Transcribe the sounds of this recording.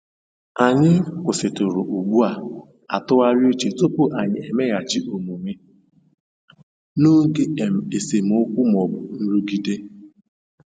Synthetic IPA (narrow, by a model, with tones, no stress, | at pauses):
a˨ɲɪ˦kʷʊ˨sɪ˨tʊ˨ɾʊ̰˨ʔu˨ɡ͡bu˦a˨ | a˨tʊ˦a˦ɾjo˦t͡ʃe˨to˦pʊ˦ʔa˨ɲɪ˨e˨me˦ɣa˨t͡ʃɪ˦ʔo˨mu˨ŋʷe˦ | nʊ˦ŋ̩˦ke˦˨m˨e˨se˨m̩˨ʊ˦kʷʊ˦m˨ɔ˨bʊ˨n̩˦ɾu˦ɡi˦de˦